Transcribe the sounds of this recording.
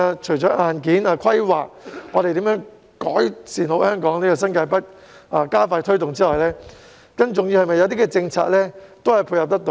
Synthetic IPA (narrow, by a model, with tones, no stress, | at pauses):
a˧t͡ʃʰɵ˨˩jt͡sɔː˨˥ʔaː˨nkiː˨˥naː˧kʷʰɐ˥jwa̰ː˨k̚ŋɔ˨˧t̪e˨jt̪iː˨˥mjœː˨˥ŋ | kɔː˨˥jsiː˨nho˨˧˥whœː˥ŋkɔː˨˥ŋniː˥kɔː˧s̬ɐ˥nkaː˧jpɐ˥t̚ | aː˧kaː˥faː˧jt̪ʰɵ˥ɥt̪ʊ˨ŋt͡siː˥lɔː˨jlɛː˥ | kɐ˥nt͡sʊ˨ŋjiː˧whɐ˨jmɐ˨jːɐ˨˧wt̪iː˥kɛː˧t͡sɪ˧ŋt͡sʰa̰ː˧k̚lɛː˥t̪o˥whɐ˨˩jpʰuː˧jhɐ˨p̚t̪ɐ˥k̚t̪o˨˧